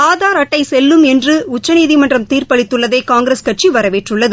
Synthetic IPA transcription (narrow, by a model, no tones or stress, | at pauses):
aːðaːɾɐʈːɐɪsɛlːɯmɛndrɯʊt͡ʃːɐniːðimɐndrɐmt̪iːrpɐɭɪt̪ːɯɭːɐðeːkaːŋɡɾeskɐʈ̚t͡ʃiʋɐɾɐʋeːʈrɯɭːɐðɯ